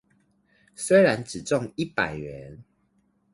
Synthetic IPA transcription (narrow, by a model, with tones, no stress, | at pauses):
swe˥˦ɪɻa˨˦nʈ͡ʂɻ̩˨˩t͡sɔ˥˨ŋi˥˦˨pa˨˩ɪɥɛ˨˦n